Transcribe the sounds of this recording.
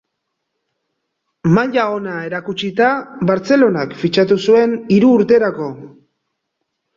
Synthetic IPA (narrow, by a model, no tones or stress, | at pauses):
maʎao̞nae̞ɾakut͡ʃit̪aβaɾt͡se̞lo̞nakfit͡ʃat̪usue̞niɾuːɾt̪e̞ɾako̞